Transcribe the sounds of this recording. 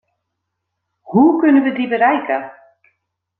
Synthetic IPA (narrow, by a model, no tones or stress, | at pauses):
hukʏnʏvɪd̪ibɪɾajka